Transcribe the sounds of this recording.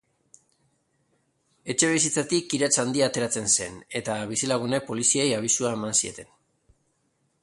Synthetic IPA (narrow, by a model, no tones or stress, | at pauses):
e̞t͡ʃe̞β̞isit͡sat̪ikːiɾat͡sand̪iaːt̪e̞ɾat͡se̞nse̞̰ne̞t̪aβisilaɣune̞po̞lisiejaβ̞isuae̞mansie̞t̪e̞n